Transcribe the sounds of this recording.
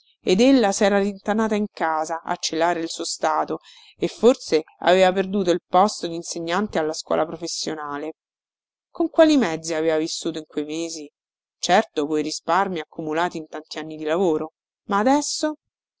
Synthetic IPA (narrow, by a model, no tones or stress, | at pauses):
ed̪elːasɛːɾalint̪anaːt̪aiŋkaːzaʔa̰t͡ʃːelːaːɾeilsuːost̪aːt̪o | efːorsea̰veːvaperd̪uːt̪̬oilpɔst̪od̪inseɲːant̪ealːaskwɔ̰ːlapɾofesːjonaːle | koŋkwaːlimɛd̪zːiaveːvavisːuːt̪oiŋkwejmeːzi | t͡ʃɛrt̪okojɾisparmiakʰːumulaːt̪iːnt̪ant̪ianːid̪ilavoːɾo | maːd̪ɛsːo